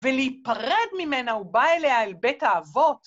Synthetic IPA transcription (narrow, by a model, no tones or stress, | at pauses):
veliipaʁedmimenaubaeleaelbetaːvo̞t